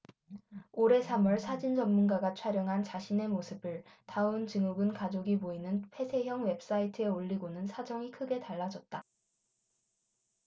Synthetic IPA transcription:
oɾe̞sʰamʌɭsʰad͡ʑind͡ʑʌmːunɡaɡat͡ɕʰwaɾjʌŋɦant͡ɕaɕʰine̞mosʰɯbɯɭtaɯnt͡ɕɯŋuɡɯnkad͡ʑoɡipoinɯnpʰe̞sʰe̞ɦjʌŋwe̞p̚s͈aitʰɯe̞oʎːiɡonɯnsʰad͡ʑʌŋikʰɯɡe̞taɭːad͡ʑʌt̚t͈a

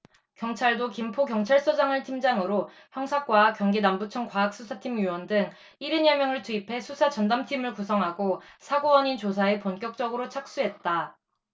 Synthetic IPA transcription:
kjʌŋt͡ɕʰaɭdokimpʰokjʌŋt͡ɕʰaɭs͈od͡ʑaŋɯɭtʰimd͡ʑaŋɯɾo | çjʌŋsʰak͈wakjʌŋɡinambut͡ɕʰʌŋkwaak̚s͈ʰusʰatʰimjuwʌndɯŋ | iɾɯnjʌmjʌŋɯɭtuipʰe̞sʰusʰat͡ɕʌndamtʰimɯɭkusʰʌŋɦaɡosʰaɡowʌɲint͡ɕosʰaeponk͈jʌk̚t͡ɕ͈ʌɡɯɾot͡ɕʰak̚s͈uɦe̞t̚t͈a

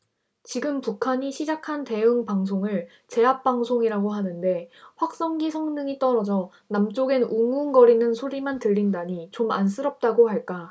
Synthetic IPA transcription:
t͡ɕiɡɯmpukʰaɲiɕʰid͡ʑakʰante̞ɯŋpaŋs̬ʰoŋɯɭ | t͡ɕe̞ɦap̚p͈aŋsʰoŋiɾaɡoɦanɯnde̞ɸwak̚s͈ʌŋɡisʰʌŋnɯŋit͈ʌɾʌd͡ʑʌ | namt͡ɕ͈oɡenuŋunɡʌɾinɯnsʰoɾimantɯʎːindaɲit͡ɕoma̰ns͈ʰɯɾʌp̚t͈aɡohaɭk͈a

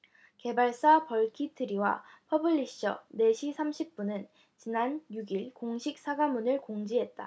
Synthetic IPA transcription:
ke̞baɭs͈apʌɭkʰitʰɯɾiwa̰pʰʌbɯʎːiɕ͈ʌ̰ne̞ɕʰisʰamɕʰip̚p͈unɯn | t͡ɕinanjuɡiɭkoŋɕʰik̚s͈ʰaɡamunɯɭkoŋd͡ʑiɦe̞t̚t͈a̰

